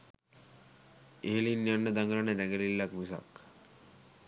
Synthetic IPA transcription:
eɦelinːjanːəd̪aŋɡɾəned̪ɛɡelilːakmusa̰k

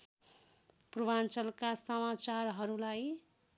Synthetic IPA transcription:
prubant͡sʌlkasʌmat͡sarɦʌɾulaj

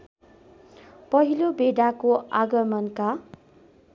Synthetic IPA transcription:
pʌɦilobeɖakoaɡʌmʌnka

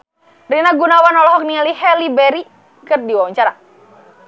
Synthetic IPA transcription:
rinaɡunawanɔlɔɦɔk̚nialihɛlibɛɾi | kɨrdiwawaɲt͡ʃaɾa

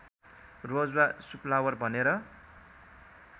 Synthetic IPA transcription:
rod͡zwasuplawʌrbʱʌneɾʌ

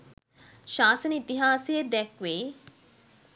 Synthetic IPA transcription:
ʃaːsənəit̪iɦaːsijəd̪ɛkʋeː

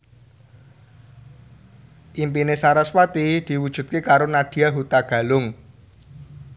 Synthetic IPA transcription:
ʔimpinesaɾaswat̪id̪̥i̤wud̥ʒ̥ṳt̪̚kekaɾonad̥i̤aɦut̪aɡ̥a̤lʊŋ

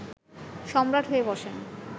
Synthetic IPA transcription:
ʃɔmɾaʈɦoebɔʃen

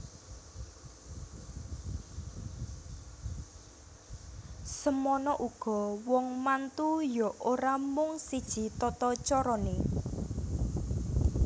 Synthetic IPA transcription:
səmɔnɔʔuɡ̥ɔ̤wɔŋmant̪ujɔʔoɾamʊŋsid̥ʒ̥i̤t̪ɔt̪ɔt͡ʃɔɾɔne

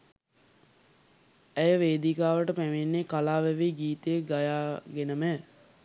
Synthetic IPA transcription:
æjəʋeːd̪ikaːʋəʈəpæmenːekalaːʋɛʋiɡiːt̪əjəɡajaːɡenəmɛː

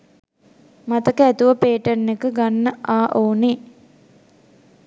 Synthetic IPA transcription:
mat̪əkəæt̪uʋəpeːʈənːekəɡanːəʔaːʔoːne

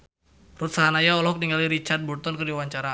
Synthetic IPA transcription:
rut̪̚saɦanajaɔlɔk̚niŋaliɾit͡ʃard̪̚bɔrt̪ɔnkɨrdiwaɲt͡ʃaɾa

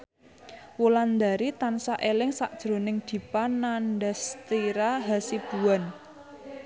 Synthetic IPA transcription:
wuland̪a̤ɾit̪ansaʔelɪŋsaʔd̥ʒ̥ɾo̤nɪŋd̪̥i̤panːandast̪iɾaɦasib̥uwan

